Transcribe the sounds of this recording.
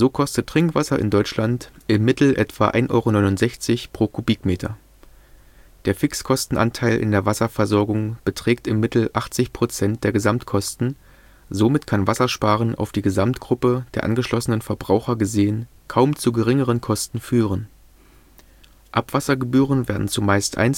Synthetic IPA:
z̥oːkʰɔstətʁ̥ɪŋkv̥asɐʔɪ̰ndɔʏt͡ʃlantʔɪmːɪtl̩ʔɛtv̥aʔa̰ɪnʔɔ̰ʏʁonɔʏnʊnz̥ɛçt͡sɪçpʁ̥oːkʰubiːkmeːtʰɐ̰ | d̥eːɐfɪkskʰɔstn̩ʔa̰ntʰaɪlʔɪ̰ndeːɐvasɐfɛɐzɔɐɡʊŋb̥ətʁ̥ɛːktɪmːɪtl̩ʔaχt͡sɪçpʁ̥ot͡sɛnt̚d̥eːɐɡəzamtkʰɔstn̩ | zomɪtkʰanvasɐʃpaːʁənʔa̰ʊfd̥iːɡəzamtɡ̥ʁʊpəd̥eːɐʔa̰nɡəʃlɔsənənfɛɐbʁaʊxɐɡəzeːən | kʰaʊmt͡suɡəʁɪŋəʁ̞ənkʰɔstn̩fyːʁən | ʔapv̥asɐɡəbyːʁənveːɐdn̩t͡sumaɪstʔa̰ɪn

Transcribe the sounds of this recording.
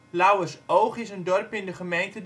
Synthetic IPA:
lawəsowχɪsəndɔrpɪndəχəmejntəd

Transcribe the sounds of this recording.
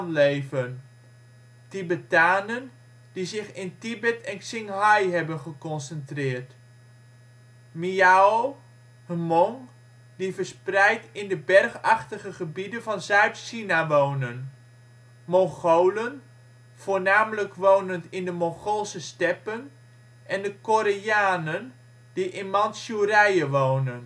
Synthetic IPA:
nlejvən | tibətaːnən | d̥izɪχɪntibɛtʰɛnksɪŋɦɑjɦɛbənχəkɔnsəntrɪːɹt | miao | həmɔŋ | divəɹsprɛjtɪndəbɛrχɑχtəχəχəbidənvɑnzœɥtʃinaʋownən | mɔŋχowlən | v̥ʊːɹnaːmələkʋownəntɪndəmɔŋχolˠsəstɛpən | ʔɛndəkoɾejaːnən | d̥iʔɪnmɑnsurɛjəʋownən

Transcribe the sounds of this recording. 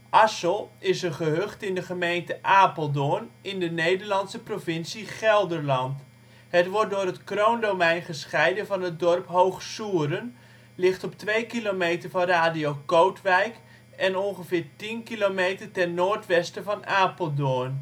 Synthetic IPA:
ʔɑsəlˠɪsəχəɦøχtɪndəχəmejntəʔaːpəlˠdoənɪndənejdəɹlɑnsəprovɪnsiχɛlˠdərlɑnt | hətʋɔr̚dʊːrɦətkrowndowmɛjnχəsχɛjdəvɑnɦət̚dɔrpɦowχsuːəɾən | lɪχtɔptʋejkilomejtərvɑnraːdijokowtʋɛjk | ɛnɔnχəvɪːɹtinkilomejtərtɛrnoːɹtʋɛstəvɑnaːpəlˠdoən

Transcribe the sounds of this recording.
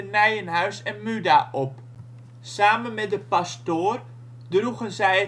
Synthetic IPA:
ənɛjənɦœɥsɛnmydaʔɔp | saːmənmɛt̚dəpastoːr | druɣənzɛj

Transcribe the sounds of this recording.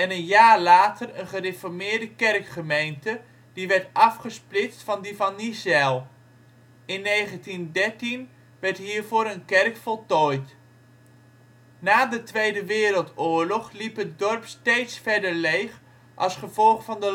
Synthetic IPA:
ɛnənjaːɹlaːtərənχərefɔɹmɪːɹdəkɛrkχəmejntə | diʋɛɹtɑfχəsplɪt͡stfɑndivɑnːisɛlˠ | ɪnːejχəntindɛɹtin | ʋɛɹtɦiːɹvoːɾənkɛrkfɔlˠtɔjt | naːdətʋejdəʋɪːɾəlˠtʊːɹlɔχlipɦət̚dɔɹpstejtsfɛɹdəɹlejχ | ʔɑ̰lˠsχəvɔlˠχfɑndə

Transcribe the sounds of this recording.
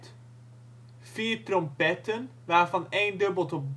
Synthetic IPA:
t | v̥iːɹtrɔmpɛtənʋaːɹvɑnejndɵbəlˠtɔb

